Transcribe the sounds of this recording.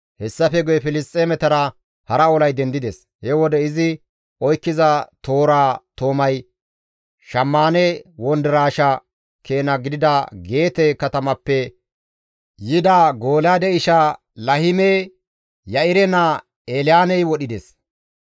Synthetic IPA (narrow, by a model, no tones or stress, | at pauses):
hɛsːɐfɛɡɔjɛfɪlɪst̪ʼːeːmɛt̪ɐɾɐ | hɐɾɐɔlɐjd̪ɛnd̪ɪd̪es | hɛwɔd̪ɛɪzɪ | ɔjkːɪzɐt̪o̞ːɾaːt̪o̞ːmɐj | ʃɐmːaːnɛwɔnd̪ɛɾaːʃɐ | kʰe̞ːnɐɡɪd̪ɪd̪ɐɡe̞ːt̪ɛkɐt̪ɐmɐpːɛ | jɪd̪aɡo̞ːlaːd̪ɛɪʃa | lɐhɪme | jɐɪɾɛnɐ | eːlɪjaːnɛjwɔɗɪd̪es